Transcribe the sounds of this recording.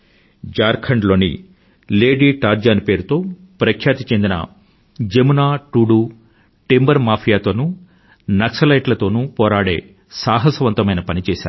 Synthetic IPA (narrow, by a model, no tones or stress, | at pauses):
d͡ʒaːɾkʰɐɳɖlo̞ːnḭ | leːɖiːʈaːɾd͡ʒaːnipe̞ːɾut̪o̞ː | pɾɐkʰjaːt̪it͡ʃe̞nd̪inɐ̰ | d͡ʒemunaːʈuːɽuː | ʈembɐɾmaːpʰijaːt̪o̞ːnu | nɐksɐlɐjʈlɐt̪o̞ːnupɔːɾaːɽe̞̰ː | saːɦɐsɐʋɐnt̪ɐmɐjnɐpɐnit͡ʃɛːsa̰ːɾu